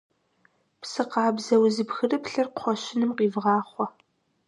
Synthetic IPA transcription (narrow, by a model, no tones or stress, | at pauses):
psɨqɑːbzɐwzɨpxɨrɨpɬɐrqʰʷɔʃɪnɨmqiːvʁɑːχʷɔ